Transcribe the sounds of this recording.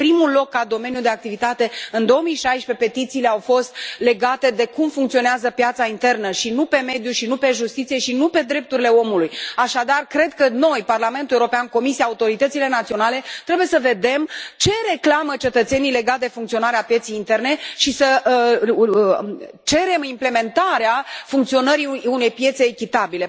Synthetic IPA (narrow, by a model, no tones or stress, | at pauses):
pɾimulo̞kːad̪o̞me̞njud̪e̞ak̚t̪ivit̪at̪e̞ɨnd̪o̞omijʃajʃpe̞pe̞t̪it̪siːle̞awfo̞st̪̚le̞ɡat̪e̞d̪e̞kumfuŋkt̪sio̞neazəpjat̪saint̪e̞rnəʃinupe̞me̞d̪juʃinupe̞ʒust̪it̪sije̞ʃinupe̞d̪ɾe̞p̚t̪uɾile̞o̞mulujaʃad̪arkɾe̞d̪kəno̞jparlame̞nt̪ulewɾopeanko̞misiaːut̪o̞ɾit̪ət̪sile̞nat̪sio̞nale̞t̪ɾe̞buje̞səve̞d̪e̞mt͡ʃe̞ɾe̞klamət͡ʃe̞t̪ət̪se̞nijle̞ɡat̪d̪e̞fuŋkt̪sio̞naɾeapje̞t̪sejint̪e̞rne̞ʃisə | t͡ʃe̞ɾe̞mimple̞me̞nt̪aɾeafuŋk̚t̪sio̞nəɾiune̞jpje̞t̪se̞ːkʲit̪abile̞